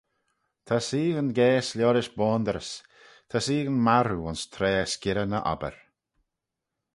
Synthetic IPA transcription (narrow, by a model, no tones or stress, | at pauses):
t̪ʰasiːɣənɡɛːslʲjɔːɾɪʃbɔːnd̪əɾəs | t̪ʰasiːɣənmaɾuʊnst̪ʰɾɛːəskɪɾənəʔɔ̰bə̰ɾ